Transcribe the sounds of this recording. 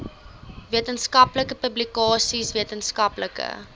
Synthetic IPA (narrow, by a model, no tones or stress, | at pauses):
viətənskɐpləkəpəblikɑːsisviətənskɐpləkə̰